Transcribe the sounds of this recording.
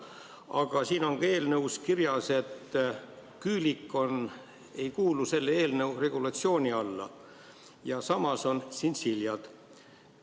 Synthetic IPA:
ɑɡ̥ɑsiːno̞ŋɡ̥ɑe̞ːlnəwskirjɑse̞t̪ː | kyːlikːˑo̞n | e̞jkuːluse̞lːeeːlnewre̞ɡ̥ulɑt̪sio̞ːnʲiɑlːɑ̰ | jɑsɑmɑso̞nsinsiljɑd̪̥

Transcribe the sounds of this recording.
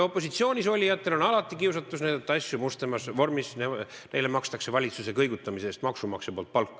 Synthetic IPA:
o̞pːˑo̞s̬it̪sio̞ːnʲiso̞lʲːijɑt̪ːˑe̞lo̞nɑlɑt̪ˑːikiwsɑt̪ːˑusnæjd̪ɑt̪ːˑɑɑsʲjumust̪emɑsvo̞rmisne | nejle̞mɑkst̪ɑkse̞vɑlʲit̪suse̞kɤjɡut̪ːˑɑmiseːst̪mɑksumɑksepo̞ːlt̪̚pɑlkː

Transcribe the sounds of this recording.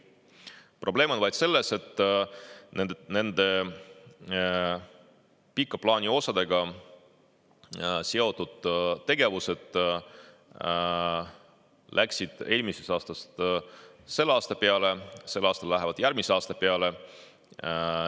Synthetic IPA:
pro̞ble̞ːmo̞nvɑjd̪̥se̞lːe̞se̞t̪ː | nend̪ne̞nd̪̥e̞ | pikˑːɑplɑːnʲio̞sɑd̪̥e̞ɡɑ | se̞o̞t̪ːˑud̪̥t̪ːe̞ɡ̥e̞vuse̞d̪̥ | lʔæksid̪̥e̞ːlʲmise̞sɑːst̪ɑst̪ | se̞lːɑːst̪ɑpe̞ɑle̞se̞lːɑːst̪ɑlːæɦevɑd̪jæɾmiseɑːst̪ɑpe̞ɑle̞

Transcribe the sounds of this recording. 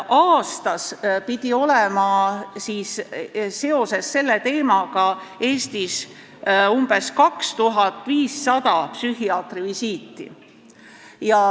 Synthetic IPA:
ʔɑːst̪ɑspid̪̥ʲio̞lemɑsiːsː | e̞o̞se̞sːe̞lːe̞t̪e̞ːmɑɡ̥ɑe̞ːst̪is | umb̥e̞skɑkst̪uɦɑt̪ːˑviːsːɑd̪̥ɑpsyhiɑːt̪rivisiːt̪ːˑḭ | jɑ

